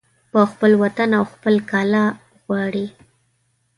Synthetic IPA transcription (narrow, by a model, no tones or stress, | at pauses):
pəxpəlwat̪anawxpəlkɑlɑ | ɣwɑɽi